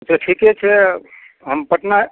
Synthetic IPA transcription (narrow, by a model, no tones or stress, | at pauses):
d͡ʒeʈʰiket͡ʃʰɛ | ɦəmpəʈna